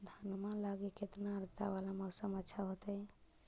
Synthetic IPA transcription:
d̪ʱənmalaɡeket̪naəɾt̪aʋalaməɡsəmətːʃʰaɦot̪əj

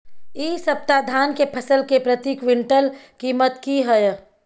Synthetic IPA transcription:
iːsəp̚t̪ad̪ʱaːnkepʰəsəlkepɾət̪iːkʋɪɳʈəl | kiːmət̪kiɦəj

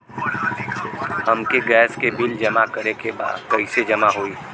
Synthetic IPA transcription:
hɐmkeɡɛːskebɪld͡ʒɐmakəɾekeba̰ːd̪kɐised͡ʒɐmaɦoiː

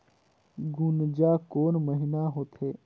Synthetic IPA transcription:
ɡʊnd͡ʒaːkoːnməɦɪnaɦoːt̪ʰeː

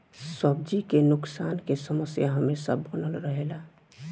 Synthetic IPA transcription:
səb̚d͡ʒikenʊksankesəməsjaɦəmesəbːənəlɾəɦela

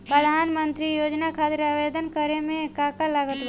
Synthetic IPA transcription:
pɾəd̪ʱaːnmənt̪ɾijod͡ʒnakʰat̪ɾaʋed̪ənkəɾemẽkakalaɡət̪

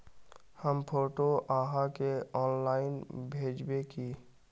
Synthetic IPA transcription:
həmpʰoʈoʔaɦakeɔːnlaːɪnbʱeːd͡ʒbeki

